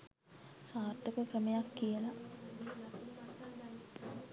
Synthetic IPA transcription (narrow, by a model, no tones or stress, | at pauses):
saːrt̪əkəkrəmejakːijəla